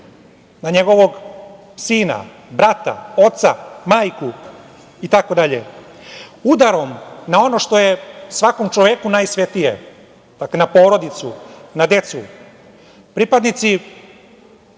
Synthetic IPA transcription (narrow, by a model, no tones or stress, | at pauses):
naɲeɡo̞ʋoɡ | siːna̰ | bɾat̪a̰o̞t̪samaːjku | it̪ako̞d̪aʎḛ | ud̪aɾo̞mnao̞no̞ʃt̪o̞jesʋako̞mt͡ʃoʋekunajsʋet̪ijḛ | d̪̥aklenapo̞ːɾo̞d̪it̪sṵnad̪e̞t̪su | pɾipad̪nit̪si